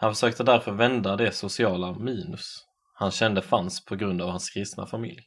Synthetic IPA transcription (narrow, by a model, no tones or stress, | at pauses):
hanfœʂøːk̚t̪əd̪æɾfœɾvɛnd̪ad̪ɛsʊsɪɑːlamiːnɵs | hanɕɛnd̪əfanspʰɔɡɾɵnd̪avhanskʰɾɪst̪na̰famɪ̰lj